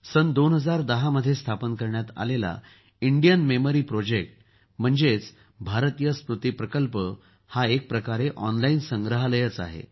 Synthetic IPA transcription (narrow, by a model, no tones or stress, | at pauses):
sənd̪onɦəd͡zaɾd̪əɦaməd̪ʱːjest̪ʰapənkəɾɳjat̪a̰lela̰ | iɳɖijənmeməɾiːpɾod͡ʑek̚ʈ | m̤əɳd͡zet͡s | bʱaɾt̪ijəspɾut̪iːpɾəkəlpə | haek̚pɾəkaɾeʔɔnlainsəŋɡɾəɦaləjət͡sa̰ɦḛ